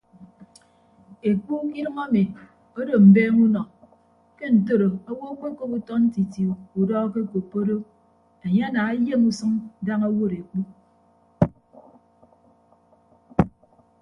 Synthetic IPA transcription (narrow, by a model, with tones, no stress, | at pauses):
e˨k͡pu˦ki˦ɾɨ˦ŋa˦mi˨ | o˦do˨m̩˨beː˦ŋu˦nɔ˨ | ke˦n̩˨to˦ɾo˨a˦wo˦k͡pe˦ko˦pu˦tɔ˦n̩˦ti˨ti˨u˨u˨dɔː˦ke˦ko˨pːo˦ɾo˦ | e˨ɲe˦a˦naː˨e˦je˦ŋu˦sɨ˦ŋ˦da˦ŋa˦wo˦ɾe˨k͡pu˦